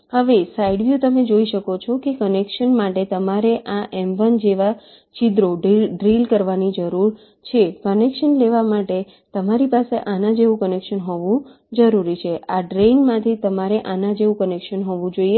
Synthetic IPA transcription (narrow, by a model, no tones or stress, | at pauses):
həʋesaiɖʋjut̪əmed͡ʒoiʃəkot͡ʃʰɔkekənekʃənmaʈet̪əmaɾeʔaʔɛmbənd͡ʒeʋa | t͡ʃid̪ɾoɖiɖɾilkəɾʋanid͡ʒəɾuɾ | t͡ʃʰekənekʃənleʋamaʈe | t̪əmaɾipaseʔanãd͡ʒeʋũkənekʃənɦoʋũ | d͡ʒəɾuɾit͡ʃʰeʔaɖɾenmãt̪ʰit̪əmaɾeʔanãd͡ʒeʋũkənekʃənɦoʋũd͡ʒoie